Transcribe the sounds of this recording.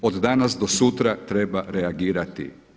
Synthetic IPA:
od̪d̪anasd̪osut̪ɾat̪ɾebaɾeaɡiːɾat̪ḭ

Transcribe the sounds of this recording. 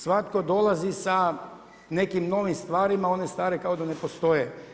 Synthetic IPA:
sʋat̪kod̪o̞lˠazisa | ne̞kimno̞ʋimst̪ʋaːɾimao̞ne̞st̪aːɾekaod̪anepost̪o̞je

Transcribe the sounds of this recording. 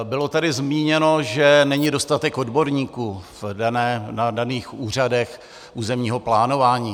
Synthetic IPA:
bɪlo̞t̪adɪzmiːɲɛno̞ʒɛnɛɲido̞st̪at̪ɛko̞dbo̞ɾɲiːkuːvdanɛːnadaniːxuːr̝adɛx | ʔuːzɛmɲiːɦo̞plaːnovaːɲiː

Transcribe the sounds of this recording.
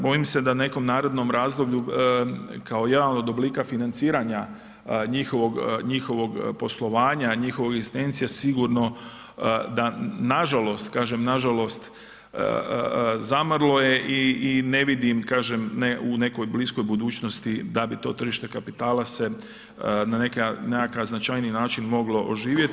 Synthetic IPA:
bo̞imse̞d̪ane̞ko̞mnaːɾed̪no̞mɾaːzd̪o̞bʎu | kaoje̞d̪anod̪obliːkafinant̪siːɾaɲa | ɲixo̞ʋo̞ɡɲixo̞ʋo̞ɡpo̞slˠo̞ʋaːɲaɲixo̞ʋoɡezist̪ent̪sijasiɡuɾno̞ | d̪anaʒalˠo̞st̪kaːʒemnaʒalo̞st̪ | ə̰ | zamrlˠo̞je̞ʔiine̞ʋid̪imkaːʒemneune̞ko̞jblisko̞jbud̪uːt͡ɕnost̪id̪abit̪o̞ːt̪r̩ʒiʃt̪e̞kapit̪aːlase̞ | nanekanekakaznat͡ʃajninaːt͡ʃinmo̞ɡlo̞ʔoʒiːʋje̞t̪

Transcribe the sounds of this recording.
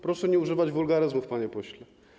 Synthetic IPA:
pɾɔʂɛɲɛuʐɘvad͡ʑvulɡaɾɘzmufpaɲɛpɔɕlɛ

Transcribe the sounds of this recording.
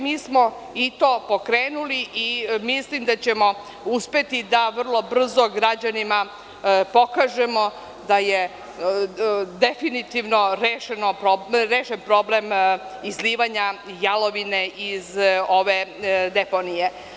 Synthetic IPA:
miːsmo̞ | it̪o̞ːpo̞kɾeːnuliʔimislimd̪at͡ɕemo̞ | uspe̞t̪id̪aʋr̩lˠo̞br̩zoɡɾad͡ʑanima | po̞kaʒe̞mo̞ | d̪aje | d̪efinit̪iʋno̞ɾeːʃenopɾoɾeːʃempɾo̞ble̞mizliːʋaɲajalo̞ʋine̞ʔizo̞ʋe̞d̪e̞ponije̞

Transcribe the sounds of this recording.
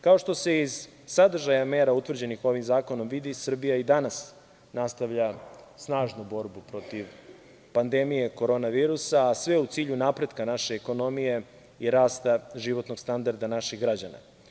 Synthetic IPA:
kao̞ʃt̪o̞se̞iz̥ː | ad̪r̩ʒajame̞ːɾaut̪ʋr̩d͡ʑe̞nixo̞ʋimzaːko̞no̞mʋid̪isr̩bijaid̪anas | nast̪aʋʎasnaːʒnubo̞ɾbupɾo̞t̪iʋ | pand̪e̞mije̞ko̞ɾo̞ːnaʋiːɾusaːsʋe̞ut̪siːʎunapɾed̪kanaʃe̞ːko̞no̞mije̞ | iɾaːst̪aʒiʋo̞t̪no̞ɡ̥st̪and̪aɾd̪anaʃiɣɡɾad͡ʑana̰

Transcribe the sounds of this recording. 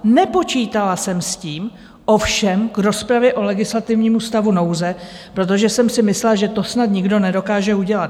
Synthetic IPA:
nɛpo̞t͡ʃiːt̪alasɛmsciːm | ʔo̞fʃɛmkɾo̞spɾavjɛʔo̞lɛɡɪslat̪ɪvɲiːmust̪avuno̞wzɛ | pɾo̞t̪̬o̞ʒɛsɛmsɪmɪslaʒɛt̪o̞snat̪ɲɪɡdo̞nɛdo̞kaːʒɛuɟɛlat̪

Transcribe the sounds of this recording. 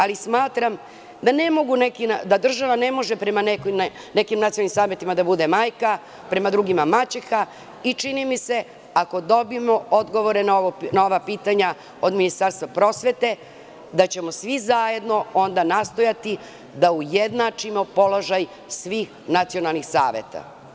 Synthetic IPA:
alismaːt̪ɾam | d̪ane̞mo̞ɡunekind̪ad̪r̩ʒaʋane̞mo̞ʒepɾe̞manek | nekimnat̪sijolnimsaːmjet̪imad̪abud̪e̞maːjka | pɾe̞mad̪ɾuɡimamat͡ɕexa | it͡ʂinimise̞ | ako̞d̪o̞biemo̞o̞d̪ɡo̞ʋo̞ɾenaoonaoʋapiːt̪aɲa | o̞d̪minist̪aɾst̪ʋapɾo̞sʋe̞t̪e̞ | d̪at͡ɕe̞mo̞sʋizaje̞d̪no̞o̞nd̪anast̪o̞jat̪i | d̪aujed̪nat͡ʂimo̞po̞lo̞ʒaj | sʋiːx | nat̪sio̞nalˠnixsa̰ːʋjet̪a̰

